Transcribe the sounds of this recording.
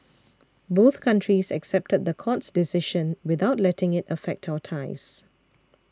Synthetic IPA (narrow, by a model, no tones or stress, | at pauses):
boθkʰãntʰɹisɛ̰ksɛp̚təd̪̚d̪əkʰɔtsdɪsɪʃə̃nwɪðaʊtlɛtɪ̃ŋɪtəfɛk̚tʰaʊətʰaɪs